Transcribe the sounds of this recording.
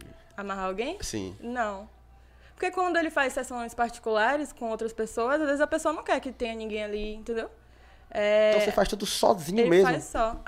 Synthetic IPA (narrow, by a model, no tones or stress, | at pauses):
amaɦaawɡẽj̃sḭ̃nɐ̃w̃ | poɾkekwɐ̃nd̪ʊelɪfajssːɛsõj̃spaɾt͡ʃi̥kulaɾɪskõowt̪ɾɐspesoɐzazvezɪzɐpesoɐnɐ̃w̃kɛɾkɪt̪ẽɲɐnĩɡẽj̃aliĩt̪ẽnd̪ew | ɛ̃sefajʃt̪ud̪ʊsɔ̰zĩɲʊelɪmezfamjssɔ